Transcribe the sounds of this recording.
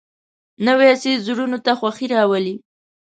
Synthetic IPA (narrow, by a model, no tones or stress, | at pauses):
nawesezuɽunot̪axwaxiɾɑwəli